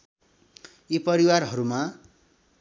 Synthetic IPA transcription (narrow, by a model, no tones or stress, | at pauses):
ipʌɾiwarɦʌɾuma